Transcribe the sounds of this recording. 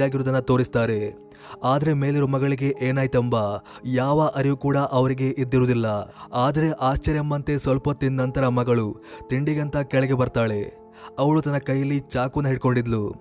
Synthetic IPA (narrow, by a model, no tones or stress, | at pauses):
aːɡiɾud̪ɐnːɐt̪o̞ːɾist̪aːɾe̞ | aːd̪ɐɾe̞me̞ːliɾomɐɡɐɭiɡe̞ʔeːnaːjt̪ɐmbɐjaːʋɐʔɐɾijukuːɽɐʔɐʋɐɾiɡe̞ʔid̪ːiɾud̪ilːɐaːd̪ɐɾe̞ʔaːst͡ʃɐɾjɐmːɐnt̪e̞sʋɐlpɐt̪ːinːɐnt̪ɐɾɐmɐɡɐɭut̪iɳɖiɡɐnt̪ɐkɛɭɛɡebɐɾt̪aːɭe̞ | ɐʋɐɭut̪ɐnːɐkɐjːɐlːit͡ʃaːkunːɐɦiɽko̞ɳɖid̪lu